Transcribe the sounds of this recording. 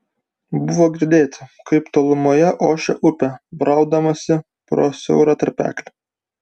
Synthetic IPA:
bʊʋoːɡʲɪɾʲd̪ʲeːt̪ʲɪkɐɪpt̪oːlˠʊmoːjɛʔoːʃʲɛʔʊpʲɛbɾɐˑʊd̪ɐmɐsʲɪ | pɾo̰ːsʲɛ̰ʊɾɐt̪ɐɾʲpʲæ̰ːklʲɪ

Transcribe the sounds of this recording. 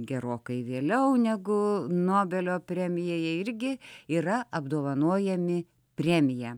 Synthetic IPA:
ɡʲɛɾoːkɐɪʋʲeːlʲɛʊnʲɛɡʊnoːbʲɛlʲoːpʲɾʲæːmʲɪjoːjɛɪɾʲɡʲɪiːrɐɐbd̪oːʋɐnuɔjɛmʲɪ | pʲrʲæːmʲɪjɛ

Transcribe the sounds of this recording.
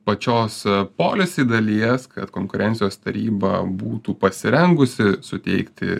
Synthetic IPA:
pɐt͡ʃʲoːspoːlʲesʲiːd̪ɐlʲiɛskɐ̰t̪koːŋkʊɾʲɛnʲsʲɪjoːst̪ɐɾʲiːbɐ̰buːt̪uːpɐsʲɪɾʲɛŋɡʊsʲɪsʊt̪ʲɛ̰ɪkt̪ʲɪ̰

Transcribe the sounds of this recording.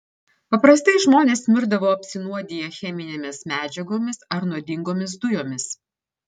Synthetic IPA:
pɐpɾɐst̪ɐɪʒmoːnʲeːsmʲɪɾd̪ɐʋoːɐpʲsʲɪnuɔd̪ʲijɛxʲɛmʲɪnʲeːmʲɪsmʲæːd͡ʒʲɛɡoːmʲɪsɐɾnuɔd̪ʲɪŋɡoːmʲɪs̬d̪ʊjoːmʲɪs

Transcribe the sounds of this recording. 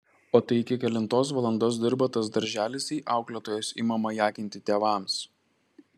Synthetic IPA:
oːt̪ɐɪɪkʲɪkʲɛlʲɪnt̪oːs̬ʋɐlˠɐnd̪oːs̬d̪ʲɪɾbɐt̪ɐsd̪ɐɾʲʒʲæːlʲɪsʲiːʔɑˑʊklʲɛt̪oːjoːsḭːmɐmɐjæːkʲɪnʲt̪ʲɪt̪ʲeːʋɑˑms

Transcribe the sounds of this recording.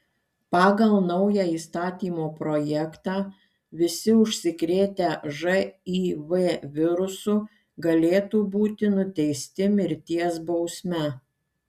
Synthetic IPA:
pɑːɡɐlˠnɐʊjæːiːst̪ɑːt̪ʲiːmoːpɾoːjɛkt̪ɑː | ʋʲɪsʲɪʊʃʲsʲɪkɾʲeːt̪ʲæʒɐiːʋeʋʲɪɾʊsʊ | ɡɐlʲeːt̪uːbuːt̪ʲɪnʊt̪ʲɛɪsʲt̪ʲɪmʲɪɾʲt̪ʲiɛsbɒʊsʲmʲɛ

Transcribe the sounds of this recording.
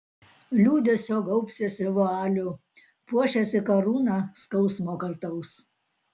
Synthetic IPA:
lʲuːd̪ʲesʲoːɡɔʊpʲsʲɛsʲɪʋoɑːlʲʊ | puɔʃʲɛsʲɪkɐɾuːnɑskɐʊsmoːkɐɾt̪ɐʊs

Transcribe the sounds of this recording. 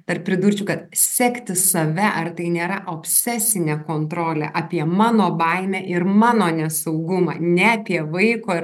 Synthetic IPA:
t̪ɐrp̚ʲpʲɾʲɪd̪uːɾʲt͡ʃʲukɐt̪sʲɛkt̪ʲɪsɐʋʲɛʔɐrt̪ɐɪnʲeːɾɐʔoːpʲsʲɛsʲɪnʲɛːkoːnt̪ɾoːlʲɛ̰ʔɑːpʲiɛmɑːnoːbɐɪmʲæʔɪɾmɑːnoːnʲɛsɐʊɡʊmɑ̰ːnʲɛɐpʲiɛʋɐɪkoː

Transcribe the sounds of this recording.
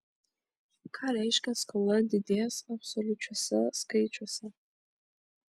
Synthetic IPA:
kʰaɾaiʃkʼaskʰoladidiasapsolut͡ʃʷʰasaskʰejt͡ʃʷʰasa

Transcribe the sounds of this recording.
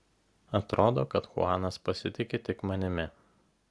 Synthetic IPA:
ɐt̪ɾʔoːd̪oːkɐt̪xʊ̰ɑːnɐspɐsʲɪt̪ʲɪkʲet̪ʲɪkmɐnʲɪmʲɪ

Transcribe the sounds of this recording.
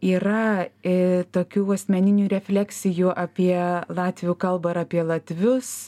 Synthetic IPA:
iːrɐɪt̪oːkʲuːɐsʲmʲɛnʲɪnʲuːɾʲɛfʲlʲæksʲɪjuːʔɑːpʲiɛlˠɑːt̪ʲʋʲɪjukɐlˠbɐɪɾɑːpʲiɛlˠɐt̪ʲʋʲʊs

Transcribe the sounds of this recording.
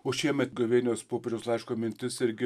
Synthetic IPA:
oːʃʲiɛmʲɛt̪ɡoʋʲeːnʲoːspoːpʲɪɾʲɛʊslˠɐɪʃkoːmʲɪnʲt̪ʲɪsɪɾʲɡʲɪ

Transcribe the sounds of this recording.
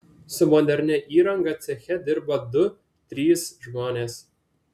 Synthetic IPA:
sʊmɔd̪ʲɛɾʲnʲɛʔiːɾɐŋɡɐt̪sʲɛxʲɛd̪ʲɪɾbɐd̪ʊ | t̪ʲɾʲiːsʒmoːnʲeːs

